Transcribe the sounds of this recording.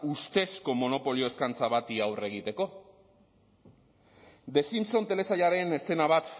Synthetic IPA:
ust̪e̞sko̞mo̞no̞po̞lio̞e̞skant͡saβat̪iawre̞ɣ̞it̪e̞ko̞ | d̪e̞simso̞nt̪e̞le̞sajaɾe̞ne̞se̞naβ̞at̪

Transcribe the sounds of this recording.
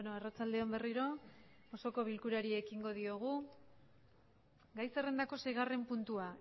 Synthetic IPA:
noarat͡sald̪e̞ombe̞riɾo̞ | oso̞ko̞β̞ilkuɾaɾiekiŋɡo̞ð̞io̞ɣ̞u | ɡajse̞re̞nd̪ako̞se̞jɣ̞are̞mpunt̪ua

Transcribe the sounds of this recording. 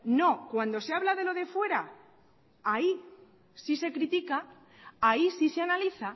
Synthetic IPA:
no̞kwand̪o̞seaβ̞lað̞e̞lo̞ð̞e̞fwe̞ɾa | ai | sise̞kɾit̪ikaː | isiseanaliθa

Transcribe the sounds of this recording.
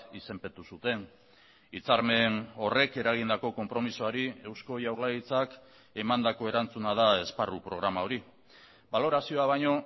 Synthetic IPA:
ise̞mpet̪usut̪e̞n | it͡saɾme̞no̞re̞ke̞ɾaɣ̞ind̪ako̞ko̞mpɾo̞misoaɾie̞wsko̞ʝawɾlajit͡sak | e̞mand̪ako̞e̞ɾant͡sunað̞ae̞sparupɾo̞ɣɾamao̞ɾi | balo̞ɾasio̞aβajɲo̞

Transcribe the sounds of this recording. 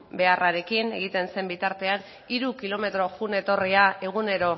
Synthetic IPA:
be̞araɾe̞kine̞ɣ̞it̪e̞nse̞mbit̪aɾt̪e̞an | iɾukilo̞me̞t̪ɾo̞xune̞t̪o̞riae̞ɣ̞une̞ɾo̞

